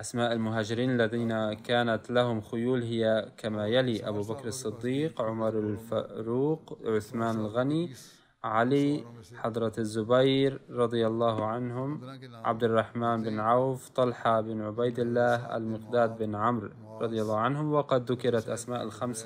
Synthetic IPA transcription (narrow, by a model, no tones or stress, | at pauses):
ʔasmaːʔalmʊɦaːd͡ʒɪɾiːnalːaðiːnakaːnat̪lahʊmxʊjuːlɦɪjːakʰamajaliʔabuːbakɾɑsˤːɨd̪ːiːqʕʊmɑɾˤalfaɾuːqʕʊθmaːnalɣani | ʕaliħɑd̪ˤɾˤɑzːʊbajɾɾˤɑd̪ˤɨjalˤːɑːhʕanɦʊmʕa̰b̚d̪ɪrˤːɑħmaːnbɪnʕawft̪ˤɑlħabɪnʕʊbajd̪ɪlːaːhʔa̰lmɪqd̪aːd̪̚bɪnʕamɾ | ɾˤɑd̪ˤɨjalˤːɑːhʕanɦʊmwɑqɑd̪ːʊkɪɾˤɑt̪ʔasmaːʔalxamsa